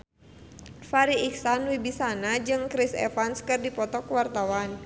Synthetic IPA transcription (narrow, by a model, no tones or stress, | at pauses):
faɾiːksanwibisanad͡ʒɨŋkɾisɛ̰fanskɨrdipɔt̪ɔkwart̪awan